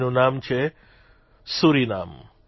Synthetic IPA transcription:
nunaːmt͡ɕʰe | suːɾina̰ːm

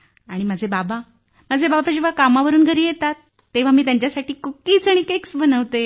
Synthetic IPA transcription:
aɽ̃iməd͡zʱebaba | məd͡zʱebabapad͡ʑeʋ̤akamaʋəɾuːnɡʱəɾiːjet̪at̪ː | eʋ̤amiːt̪jaɲt͡ɕjasaʈʰiːkukiːt͡saɽ̃ikeksbənəʋt̪e

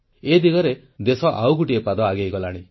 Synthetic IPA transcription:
ed̪iɡɔɾe | d̪esɔʔawɡuʈiepad̪ɔaɡejɡɔlaɽ̃i

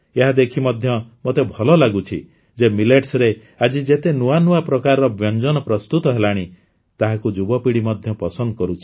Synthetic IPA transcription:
eɦad̪ekʰimɔd̪ʱjɔmot̪ebʱɔlɔlaɡut͡ʃʰḭ | d͡ʒemileʈsɾe | ad͡ʒid͡ʒet̪enuanuapɾɔkaɾɔɾɔbjɔnd͡ʒɔnɔpɾɔst̪ut̪ɔɦelaɽ̃i | t̪aɦakud͡ʒubɔpiɽimɔd̪ʱjɔpɔsɔnd̪ɔkɔɾut͡ʃʰi̥

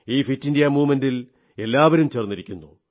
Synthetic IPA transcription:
iːfitːindijɐmuːmɐndil | e̞lːaːʋɐɾumt͡ɕeːrnːiɾikʲːunːu

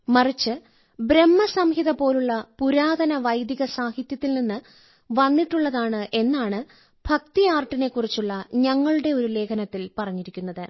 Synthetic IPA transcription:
mɐrit͡ɕːɨ | bɾe̞mːɐsɐmhiðɐpo̞ːluɭːɐpuɾaːd̪ɐnɐʋɐjd̪jiɐɣɐsaːhit̪jɐt̪ːilninːɨ | ʋɐnːiʈːuɭːɐðaːɳɨʔe̞nːaːɳɨ | b̥ʱɐk̚t̪ijaːrʈːine̞kːurit͡ɕːuɭːɐɲɐŋːɐɭuɽe̞o̞ɾule̞ːkʰɐnɐt̪ːilpɐrɐɲːiɾikʲːunːɐðɨ

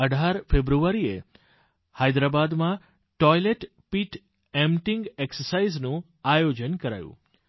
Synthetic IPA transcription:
əɖʱaɾfebɾuʋaɾie | hajd̪ɾabad̪mã | ʈɔjleʈ | piʈ | ɛmʈɪ̃ŋɡeksəɾsaiznũ | ajod͡ʒənkəɾa̰jṵ̃

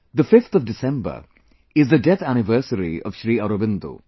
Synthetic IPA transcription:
d̪əfɪft̪ʰɔʋdɪsɛ̃mbə̰ | ɪzd̪ədɛt̪ʰæñɪʋəːsəɾḭɔ̰ʋ̥ʃɾiːaɾobɪ̃nd̪ṵ

